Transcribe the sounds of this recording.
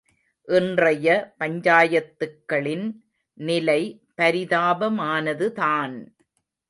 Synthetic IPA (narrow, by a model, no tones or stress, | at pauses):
ʔɪndrɐjɐpɐɲd͡ʒaːjɐt̪ːɯkːɐɭɪn | nɪlɐɪ | pɐɾɪðaːbɐmaːnɐðɯtaːn